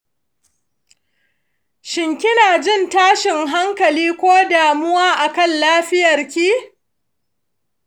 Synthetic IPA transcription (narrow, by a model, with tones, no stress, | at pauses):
ʃɪ˨ŋkʲɪ˦naː˨d͡ʒɪ˦˨ntaː˦ʃɪ˨ŋɦa˦ŋkɐ˨liː˦kʷoː˦daː˨mʊ˦waː˦ʔa˨kɐ˦˨nlaː˦ɸɪ˦jɐ˨rkʲiː˦